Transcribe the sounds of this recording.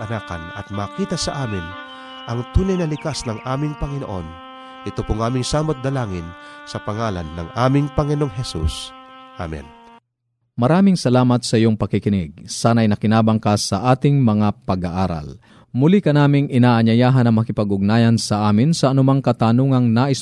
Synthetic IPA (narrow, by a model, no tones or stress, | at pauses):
ʔɐnaːkɐ̰nɐ̰t̪̚maːkiːt̪ɐsɐʔaːmɪn | ʔɐŋt̪uːnɐjnɐlɪkasnɐŋʔaːmɪŋpɐŋɪnoʔon | ʔɪt̪opoŋaːmɪŋsaːmot̪̚d̪ɐlaːŋɪnsɐpɐŋaːla̰nːɐ̰ŋʔaːmɪŋpɐŋɪnoŋɦɛsṵsʔa̰mɛ̰n | mɐɾaːmɪŋsɐlaːmɐt̪sɐʔɪjoŋpɐkɪkɪnɪɡ̚saːnɐɐjnɐkɪnaːbɐŋkasɐʔaːt̪ɪŋmɐŋapɐɡaʔaːɾɐ̰l | mʊlikɐnaːmɪŋʔɪnaːʔɐɲɐjaːɦɐnɐŋmɐkɪpɐɡʊɡ̚naːjɐnsɐʔaːmɪnsɐʔɐnʊmaŋkɐt̪aːnoŋɐŋnaːʔɪs